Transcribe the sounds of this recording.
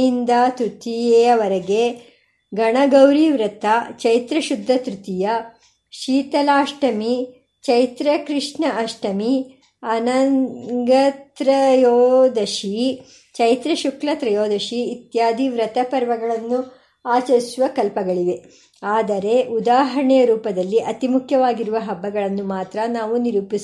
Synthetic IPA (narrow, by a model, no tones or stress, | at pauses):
ind̪aːt̪ɾut̪ijeːɐʋɐɾɐɡe | ɡɐɳɐɡɐwɾiʋɾɐt̪ɐt͡ʃɐjt̪ɾɐʃud̪ʱːɐt̪ɾut̪ijɐ | ʃiːt̪ɐlaːʂʈɐmi | t͡ʃɐjt̪ɾɐkɾiʂɳɐʔɐʂʈɐmi | ɐnɐɡɐt̪ɾɐjoːd̪ɐʃi | t͡ʃɐjt̪ɾɐʃuklɐt̪ɾɐjoːd̪ɐʃiːt̪jaːd̪ʱiʋɾɐt̪ɐpɐɾʋɐɡɐɭɐnːu | aːt͡ʃɐɾisuʋɐkɐlpɐɡɐɭiʋe̞ | aːd̪ɐɾe̞ʔud̪aːɦɐɾɳɛjɐɾuːpɐd̪ɐlːiʔɐt̪imukʰjɐʋaːɡiɾuʋɐɦɐbːɐɡɐɭɐnːumaːt̪ɾɐnaːʋuniɾuːpis